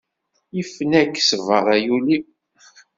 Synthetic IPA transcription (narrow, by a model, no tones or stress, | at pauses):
jəfnækːsəvəɾˤæjuli